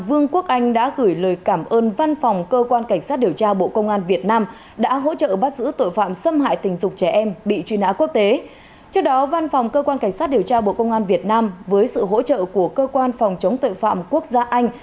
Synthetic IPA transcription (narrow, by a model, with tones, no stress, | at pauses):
vɨ˧əŋku˦˥ək̚ʔa˧jŋ̟ɗa̰ː˧˥ɣɨː˧˩jləː˨˩jkaː˧˩mʔəː˧nva˧nfa˨˩wŋ͡mkəː˧kwaː˧nka˧˩jŋ̟saː˦˥t̚ɗi˨˩əwt͡ɕaː˧ɓo̰˧˨kə˧wŋ͡mʔaː˧nvi˨˩ət̚naː˧m | ɗa̰ː˧˥ɦo̰˧˥t͡ɕə̰ː˧˨ɓaː˦˥t̚zɨ̰˧˥t̪o̰˧˨jfa̰ː˧˨msə˧mha̰ː˧˨jt̪ï˨˩ŋ̟zʊ˨˩k͡p̚t͡ɕɛ˧˩ʔɛ˧mɓḭ˧˨t͡ɕwi˧nha̰ː˧˥ku˦˥ək̚t̪e˨˦ | t͡ɕɨ˦˥k̚ɗɔ˨˦va˧nfwŋ͡mkəː˧kwaː˧nka˧˩jŋ̟saː˦˥t̚ɗi˨˩əwt͡ɕaː˧ɓo̰˧˨kə˧wŋ͡mʔaː˧nvi˨˩ət̚naː˧mvəː˨˦jsɨ̰˧˨ɦo̰˧˥t͡ɕə̰ː˧˨ku˧˩əkəː˧kwaː˧nfɔ˨˩wŋ͡mt͡ɕə˨˦wŋ͡mt̪o̰˧˨jfa̰ː˧˨mku˦˥ək̚zaː˧ʔa˧jŋ̟